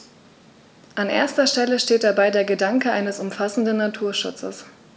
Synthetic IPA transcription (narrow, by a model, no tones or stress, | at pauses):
ʔanʔḛːɐstɐʃtɛləʃteːt̚d̥abaɪdeːɐɡədaŋkəʔaɪnəsʊmfasn̩dnːatʰuːɐʃʊ̰t͡sə̰s